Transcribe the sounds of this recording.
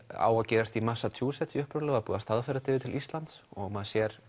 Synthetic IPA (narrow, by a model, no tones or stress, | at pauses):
a̰ːwacɛːɾast̪imasat̪ʰjuːsɛt̪siʏhpɾʏlʏɣapuːðast̪aðfɛjɾat̪ʰɪːvɪt̪ʰɪlist̪lant̪sɔɣmɛðsjɛɾ̥